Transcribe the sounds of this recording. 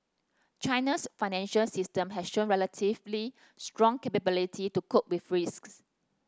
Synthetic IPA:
t͡ʃãɪnəsfaɪnɛ̃nʃəlsistə̃mɦɛsʃõnɹɛlətʰivli | stɹɔ̃ŋkepəbilitʰitukuk̚wifɹisks

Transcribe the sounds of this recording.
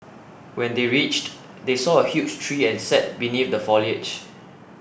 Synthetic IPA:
wɛ̃ndeɹit͡ʃt | desɔəhjut͡ʃtʰɹiːɛ̃nsɛt̚binif̚dəfɔliəd͡ʒ

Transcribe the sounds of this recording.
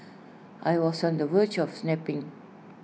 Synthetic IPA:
ʔajwɔsɔ̃ndəwət͡ʃɔfsnɛpɪ̃ŋ

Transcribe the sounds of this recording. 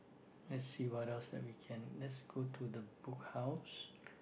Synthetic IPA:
lɛtsiːwaɾɛlsd̪ɛ̰ʔwikʰɛ̃nlɛtsɡ̥otʰud̪əbʊkhaʊs

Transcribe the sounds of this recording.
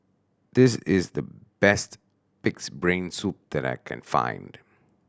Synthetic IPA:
d̪̥ɪsɪzðəb̥ɛst | pɪksbɹẽɪnsup̚d̪ɛɾa̰ɪkʰɛ̰̃nfã̰ɪ̃nd̥

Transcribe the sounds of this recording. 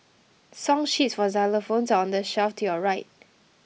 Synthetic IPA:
sɔ̃ŋʃitsfɔzɛləfõnsɔ̃ndəʃɛftʰuɔɹaɪt̚

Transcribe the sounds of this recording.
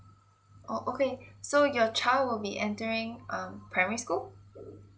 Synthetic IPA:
ʔoʔokesojɔt͡ʃʰaɪldwɪlˠbiʔɛ̃ntəɹɪ̃ŋʔʌ̃mpʰɹamɛɹiskul

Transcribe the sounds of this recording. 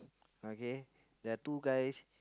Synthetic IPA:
oke | dat̪ukais

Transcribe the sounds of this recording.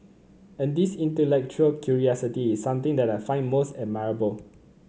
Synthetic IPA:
ɛ̃ndisĩntəlɛk̚t͡ʃuəlkʰjuɹiɔsitiːsːãmt̪ɪ̃ŋdɛtaɪfãɪ̃nmosɛd̚maɹəbəl

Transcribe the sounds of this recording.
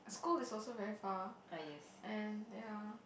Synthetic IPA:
skulɪsɔlsovɛɹifaojɛsɛ̃nja

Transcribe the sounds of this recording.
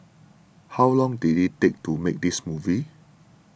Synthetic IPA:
hawlɔ̃ŋdiditek̚tumek̚dismuvi

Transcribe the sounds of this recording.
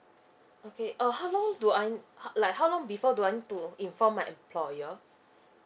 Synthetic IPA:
okʰeʔəhawlɔ̃ŋduajhlajkhawlɔ̃ŋbifɔduajnituĩnfɔ̃mːajʔɛ̃mpʰlɔjə

